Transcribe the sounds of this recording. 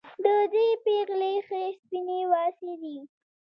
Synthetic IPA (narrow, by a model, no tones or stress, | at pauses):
d̪əd̪epeɣlexespinewɑsed̪i